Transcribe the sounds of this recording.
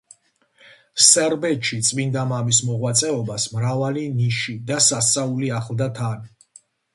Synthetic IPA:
sɛɾbɛt̪ʃit̪sʼmind̪amamismɔʁwat̪sʼɛɔbasmɾavaliniʃid̪asasauliaχlˠd̪at̪ʰan

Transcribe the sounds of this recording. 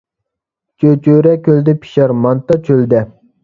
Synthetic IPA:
t͡ʃʰøt͡ʃʰøɾɛkʲøld̪ɪpʰi̥ʃɑɾmɑnt̪ɑt͡ʃʰøld̪ɛ

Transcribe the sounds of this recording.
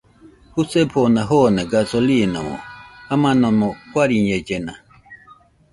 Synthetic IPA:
husɛpʰonãɦɔnaɡasolinã̰mɔ̰amãnɔ̃mɔkwaɾiɲɛd͡ʒɛnã̰

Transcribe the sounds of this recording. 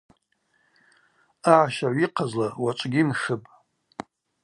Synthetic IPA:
aʕaʃaʕʷiqʰazlawaʈ͡ʂʷʼɡʲimχɨpʼ

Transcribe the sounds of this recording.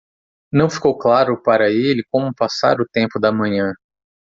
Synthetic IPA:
nɐ̃w̃fi̥kowklaɾʊpaɾɐelɪkõmʊpasa̰ɾʊt̪ẽmpʊd̪ɐmɐ̃ɲɐ̃

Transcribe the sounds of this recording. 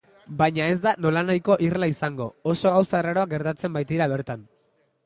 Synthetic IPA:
bajɲae̞zd̪ano̞lanajko̞ʔirlaisaŋɡo̞oso̞awsaeraɾo̞aɡe̞ɾt̪at͡se̞mbajt̪iɾaβ̞e̞ɾt̪an

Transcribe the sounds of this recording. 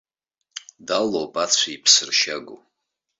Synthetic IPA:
dalowpʼat͡sʷʰaipʰsɨrʃaɡʷo̰

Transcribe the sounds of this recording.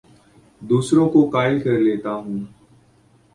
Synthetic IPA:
d̪uːsɾõːkoːkaːɪlkəɾleːt̪aːɦũː

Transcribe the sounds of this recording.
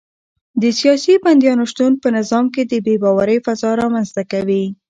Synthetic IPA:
d̪əsijɑsiband̪jɑnoʃt̪unpənɪzɑmked̪əbebɑwaɾəjfazɑɾɑmanzt̪akawi

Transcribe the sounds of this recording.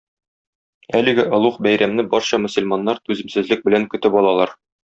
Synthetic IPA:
ælɘ̆ɡɘʔɒ̆lˠuqbæjɾæmnɘbɒɾɕɑmɵ̆sɵ̆lʲmɑnːɑɾt̪ʉzɘ̆msɘ̆zlɘk̚bɘ̆læŋkɵ̆t̪ɘpɒlˠɑlˠɑɾ

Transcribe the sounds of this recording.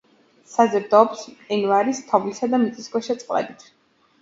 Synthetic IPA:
sazɾd̪ɔːpsɛnvaɾist̪ʰɔvlisad̪amit̪sʼiskwɛʃɛt̪sʼqʼlɛ̰bit̪ʰ

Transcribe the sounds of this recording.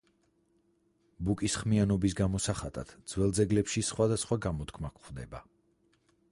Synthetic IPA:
bukʼisχmianɔbisɡamɔsaχat̪ʼa̰d̪̥d̪zwɛlˠd̪zɛɡlɛpʃisχwad̪asχwaɡamɔt̪kʰmakʰʼχwvd̪ɛba̰

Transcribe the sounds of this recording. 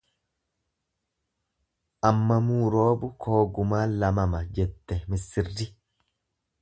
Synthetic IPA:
ʔɐmːɐmuːɾo̞ːbʊkʰo̞ːɡʊmaːlɐmɐmɐd͡ʒɛt̪ːɛmɪsːɪrːɪ

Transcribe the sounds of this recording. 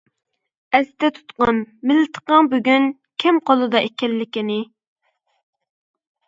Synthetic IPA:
ɛst̪ɛt̪ʰu̥t̪qɑnmɪlːɪt̪ʰə̥qɑŋbyɡʲyn | kʲʰɪmqʰolˠɨd̪ɑʔekʲɛlːɪkʲinɪ

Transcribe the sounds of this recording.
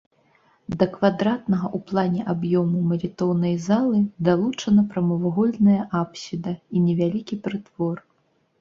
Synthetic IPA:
d̪ɐkvad̪ɾat̪nɐɣɐʔuplˠanʲɛʔabjɔmumɐlʲit̪ɔwnɐjzalˠɨd̪alˠut͡ʂɐnɐpɾɐmɐvɔɣɔlʲnɐjɐʔapsʲid̪ɐinʲɛvʲalʲikʲipɾɨt̪vɔr

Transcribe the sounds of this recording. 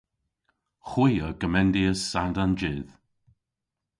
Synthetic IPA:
xwiːəɡəmɛndiəsadand͡ʒɪð

